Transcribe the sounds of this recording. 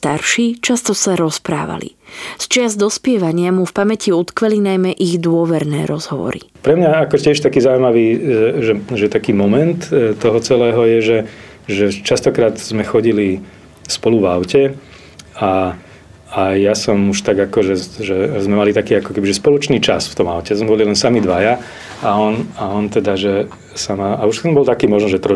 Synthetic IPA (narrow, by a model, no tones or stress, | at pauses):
st̪aɾʃiːt͡ʃast̪ɔsaɾɔspɾa̰ːʋa̰lḭ | st͡ʃɪazd̪ɔspɪɛʋaɲɪamufpamɛciut̪kʋɛlinajmɛʔiɣd̪ʊɔʋɛɾnɛːɾɔzɦɔʋɔ̰ɾḭpɾɛmɲaakɔcɪɛʃt̪akiːzauimaʋiːʒɛʒɛt̪akiːmɔmɛnt̪t̪ːɔɦɔt͡sɛlɛːɦɔjɛʒɛ | ʒɛt͡ʃast̪ɔkɾaːd̪zmɛxɔɟili | spɔluvaʊcɛ | a | ajasɔmuʃt̪aɡakɔʒɛʒɛzmɛmalit̪akiːakɔ̥kɛbiʒɛspɔlɔt͡ʃniːt͡ʃa̰sft̪ɔma̰ʊcɛzmɛbɔlilɛnsamid̪ʋaja | aɔnaɔnt̪ɛd̪aʒɛ | samaʔauʃɛmbɔlt̪akiːmɔʒnɔʒɛt̪ɾɔ